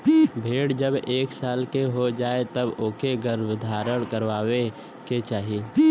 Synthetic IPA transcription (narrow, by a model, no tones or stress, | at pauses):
bʱeːɽd͡ʒəbeːksaːlkeɦod͡ʒaːet̪əboːkeɡəɾbd̪ʱaːɾəɽ̃kəɾʋaːwe | ket͡ʃaːɦieː